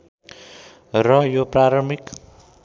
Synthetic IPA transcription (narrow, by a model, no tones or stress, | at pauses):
rʌjopraɾʌmik